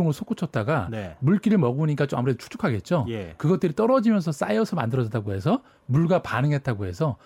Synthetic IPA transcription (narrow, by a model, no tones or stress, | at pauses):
oŋɯɭsʰok͈ut͡ɕʰʌt̚t͈aɡanemuɭk͈iɾɯɭmʌɡuɲik͈at͡ɕoma̰muɾedot͡ɕʰu̥kt͡ɕʰu̥kʰaɡe̞t̚t͡ɕ͈ojekɯɡʌt̚t͈ɯɾit͈ʌɾʌd͡ʑimjʌnsʰʌs͈aiʌsʰɯɭmandɯɾʌd͡ʑt͈aɡoɦe̞sʰʌ | muɭɡapanɯŋɦe̞t̚t͈aɡoɦe̞sʰʌ